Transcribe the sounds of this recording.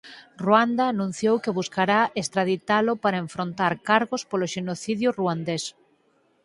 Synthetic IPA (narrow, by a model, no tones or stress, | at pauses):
ruand̪aːnũn̟θjowkeβuskaɾaest̪ɾaðit̪alʊpaɾaeɱfɾont̪aɾkaɾɣospoloʃenoθiðjʊruand̪es